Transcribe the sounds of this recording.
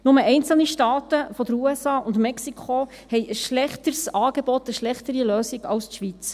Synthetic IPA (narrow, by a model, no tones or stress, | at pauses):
nʊməʔɛɪnt͡sl̩niʃtɑːt̪əfɔd̪əɾuɛsɑːʔʊndmɛksikχo | hɛɪʔəsʃlɛχtəɾsɑːɡ̥ebɔt̪əʃlɛχt̪əɾiløːsiɡɑwst̪ʃʋit͡s